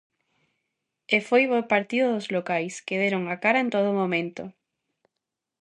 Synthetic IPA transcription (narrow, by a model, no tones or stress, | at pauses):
efojβopaɾt̪iðoðozlokajskeðeɾoŋakaɾɐẽnt̪oðʊmõmẽnt̪o